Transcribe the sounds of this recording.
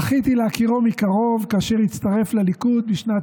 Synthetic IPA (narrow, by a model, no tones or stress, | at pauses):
χit̪ileakiʁomikaʁo̞vkaːʃe̞ʁit͡st̪aʁe̞flalikud̪̚biʃna